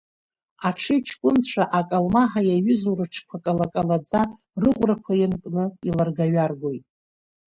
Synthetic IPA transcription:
aʈ͡ʂʰɨjt͡ʃʰkʷʼʊnt͡ɕʷʰaʔakʼalmaħajaɥʏzuɾɨʈ͡ʂʰkʷʰakʼalakʼalad͡za | rɨʁʷrakʷʰajɪnkʼnɨilarɡaɥarɡo̞jtʼ

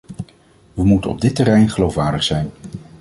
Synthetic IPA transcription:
ʋəmutənɔ̰b̚dɪtərɛjnχəlowfʋaːɹdəχsɛjn

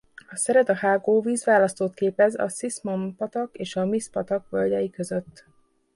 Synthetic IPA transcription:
ɒsɛɾɛd̪ɒhaːɡoːviːzʋaːlɒst̪oːt̪keːpɛzɒ̰sismompɒt̪ɒkeːʃɒmispɒt̪ɒkʋølʲɟ̪ʲɛjikø̞zø̞t̪ː

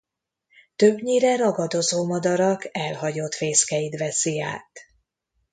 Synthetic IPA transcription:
t̪øbɲiɾɛɾɒɡɒd̪o̞zoːmɒd̪ɒɾɒkɛlɦɒɟo̞t̪feːskɛjit̪vɛsia̰ːt̪

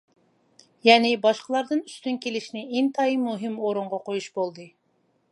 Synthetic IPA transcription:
jɛːnɪbɑʃqəlˠɑɾd̪ɨnyst̪ynkʲelɪʃnɪʔeŋt̪ʰɑimuɦɨmoɾuɴʁɑqojuʃbolˠd̪ɨ

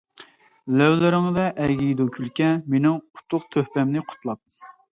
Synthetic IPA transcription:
lɛwlɪɾɪŋd̪ɛʔɛɡʲid̪ukʲʰylkʲɛmenɪŋu̥t̪ʰːʊq̚t̪ʰøhpɛmnɪqʰʊ̥t̪ʰlˠɑp̚

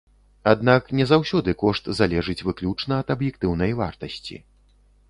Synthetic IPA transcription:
ad̪naknʲɛzawsʲɔd̪ɨkɔʂt̪zalʲɛʐɨt͡sʲvɨklʲut͡ʂnɐɐt̪ɐbjɛk̚t̪ɨwn̪ɐjva̰rt̪ɐsʲt͡sʲḭ

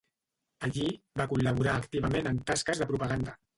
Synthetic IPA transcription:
əʎi | bakuləβ̞uɾaːkt̪iβ̞əmẽnənt̪askəzðəpɾupəɣand̪ə

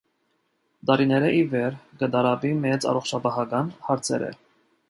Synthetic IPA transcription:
d̪ɑɾinɛɾəʔivɛɾɡəd̪ɑɾɑbimɛt͡sɑ̰rɔχt͡ʃʰɑpɑɦɑkɑnhɑɾt͡sʰɛ̰ɾə̰

